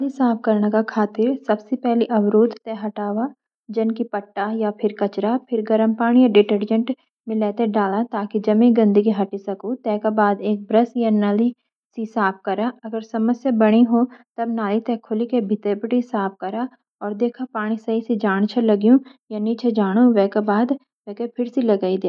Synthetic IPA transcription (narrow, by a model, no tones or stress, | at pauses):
lisaːp̚ʰkɐɾnakakʰaːt̪ɪɾsɐbsepɛɦliʔɐwɾuːd̪t̪ɛɦɐʈaːwa | d͡ʒɐnkipɐʈːajapʰɪɾkɐt͡ʃɾapʰɪɾɡɐɾəmpaːɽ̃ijaɖɪʈəɾd͡ʒə̃ɳʈ | mɪ̃lɛːt̪eɖaːlat̪aːkid͡ʒɐmẽɡɐ̃nd̪iɡeɦɐʈisɐkot̪ɛːkabaːd̪eːk̚bɾəsjanaːli | sisaːp̚kɐɾaɐɡəɾsɐməsjabɐɽ̃iɦoːt̪ɐbnaːlit̪ɛːkʰʊlikebʱɪt̪epɪʈisaːp̚kɐɾa | ɔːɾd̪eːkʰapaːɽ̃isɐɦisid͡ʒaːɽ̃t͡ʃʰelɐɡijũjaniːt͡ʃʰed͡ʒaːɽ̃uʋɛːkabaːd̪ | ʋɛːkepʰɪɾsilɐɡaːid̪eaː